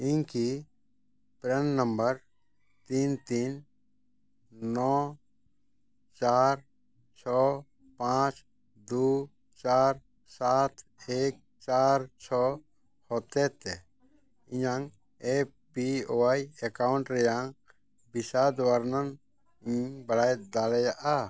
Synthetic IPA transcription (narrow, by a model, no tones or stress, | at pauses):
ĩŋki | pɾennəmbəɾ | t̪iːnt̪iːn | nɔː | t͡ʃaːɾ | t͡ʃʰɔː | pãːt͡ʃ | d̪uː | t͡ʃaːɾ | saːt̪ʰeːk̚ | t͡ʃaːɾt͡ʃʰɔ | hoːt̪et̪e | ɪ̃jãŋ | e | pioajekaʊɳʈɾejãŋ | bisad̪waɾnən | bəɽaːjd̪aːlɛjaʔa